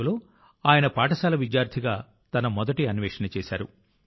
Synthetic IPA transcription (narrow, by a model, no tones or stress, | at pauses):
lo̞ː | aːjɐnɐpaːʈɐsaːlɐʋid͡ʒjaːɾt̪ʰiɡaː | t̪ɐnɐmɔd̪ɐʈiɐnʋɛːʂɐnɐt͡ʃɛːsa̰ːɾṵ